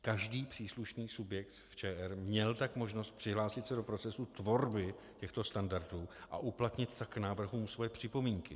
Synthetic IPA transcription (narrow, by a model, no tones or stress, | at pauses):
kaʒdiːpr̥iːsluʃniːsubjɛkt̪ft͡ʃɛːʔɛɾmɲɛlt̪akmo̞ʒnost̪̚pr̝̥ɪɦlaːsɪt̪sɛdo̞pɾo̞t͡sɛsut̪vo̞ɾbɪ | cɛxt̪o̞st̪andaɾduːʔa̰ʔuplat̪ɲɪt̪ːaknaːvr̩ɦuːmsvojɛpr̝̥ɪpo̞miːŋkɪ